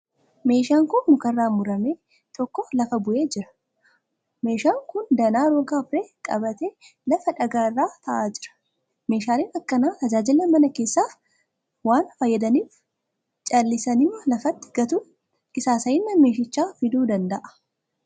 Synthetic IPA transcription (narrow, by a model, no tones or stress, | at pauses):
me̞ːʃaːŋkʊnmʊkɐrːaːmʊɾɐme̞ː | t̪ɔkːɔlɐfɐbʊʔe̞ːd͡ʒɪɾɐ̥ | meːʃaːŋkʊnd̪ɐnaːɾoːɡaːbɾe̞ːkʼɐbɐt̪eːlɐfɐᶑɐɡaːrːaːt̪ʰɐʔaːd͡ʒɪɾɐ̥ | me̞ːʃaːliːnɐkːɐnaːt̪ɐd͡ʒaːd͡ʒɪlːɐmɐnɐke̞ːsːaːf | waːnfɐjːɐd̪ɐniːf | t͡ʃʼɐlːɪsɐnɪmːɐlɐfɐt̪ːɪ̥ɡ̥ɐt̪u | kɪsaːsɐjɪnːɐme̞ːʃ̬ɪt͡ʃːaːfɪd̪uːd̪ɐnd̪ɐʔɐ̥